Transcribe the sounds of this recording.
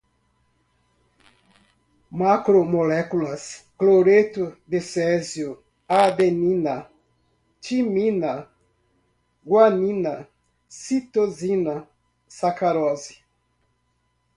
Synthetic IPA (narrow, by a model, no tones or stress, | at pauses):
makɾomolɛkulɐskloɾet̪ʊd̪ɪsɛzjʊ | ad̪enĩnɐ | t͡ʃimĩnɐ | ɡwanĩnɐ | sit̪ozinɐ | sakaɾɔzi